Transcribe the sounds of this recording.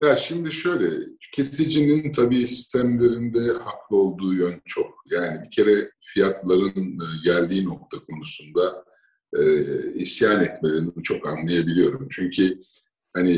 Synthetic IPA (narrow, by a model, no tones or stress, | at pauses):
jaʃimd̪iʃøjlʲɛt̪ʰy̥cʰet̪ʰid͡ʒinint̪ʰabiːsi̥st̪ʰæmlʲe̞ɾind̪ɛhaklˠɯo̞lˠd̪uːjønt͡ʃʰo̞k̚jaːnibicʰe̞ɾɛfijat̪lˠaɾɯnːɟælʲd̪iːno̞k̚t̪ʰakʰo̞nusund̪a | ɛːisjaːnɛt̪me̞lʲeɾinibut͡ʃʰo̞kanlˠajabilʲijo̞ɾumt͡ʃʰyɲcʰi | hani